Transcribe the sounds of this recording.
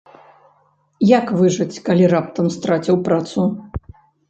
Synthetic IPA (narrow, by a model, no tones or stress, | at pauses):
jakvɨʐɐt͡sʲkalʲiɾap̚t̪ɐmst̪ɾat͡sʲiwpɾat̪su